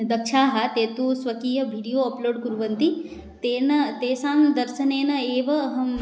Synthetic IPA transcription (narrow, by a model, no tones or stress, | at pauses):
d̪ɐkʃʰaːɦɐt̪eːt̪usʋɐkiːjɐbʱiːɽijoːɐploːɖkuɾuʋɐnt̪i | t̪eːnɐt̪eːsaːmd̪ɐɾʃɐneːnɐeːʋɐːɦɐm